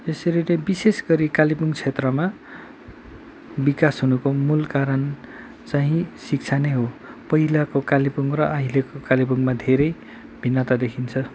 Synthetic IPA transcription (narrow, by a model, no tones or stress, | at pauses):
eseɾinʌbisesɡʌɾikalibuŋt͡sʰet̪rʌma | bikasɦunukomulkaɾʌn | t͡saɦĩsik̚t͡sʰaneɦopʌɦilakokalipuŋrʌʔaɦilekokalibuŋmad̪ʱeɾʌj | bʱinːʌt̪ad̪ekʰint͡sʰʌ